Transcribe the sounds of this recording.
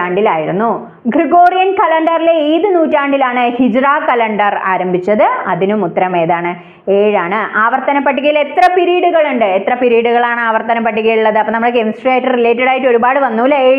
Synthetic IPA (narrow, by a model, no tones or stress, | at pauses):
aːɳɖilaːjiɾunːu | ɡriɡoːrijɐnkɐlɐɳɖɐrilejðɨnuːtːaːɳɖilaːɳɨhid͡ʑraːkɐlɐɳɖɐra̰ːɾɐmbʱit͡ɕːɐðɨɐ̰ðinumut̪ːɾɐme̞ːðaːɳɨ | eːɻaːɳɨʔaːʋɐrt̪ɐnɐpːɐʈːiɣile̞t̪rɐpiɾiːɽuɣɐɭuɳɖɨet̪rɐpiɾiːɽuɣɐɭaːɳaːʋɐrt̪ɐnɐp̬ːɐʈːiɣɐjuɭːɐðɨɐpːɐnɐmːuɽekemsʈraːjtːɨrile̞ːtːɐɽaːjitːo̞ɾubaːɽɨʋɐnːuːlːɐeːɻ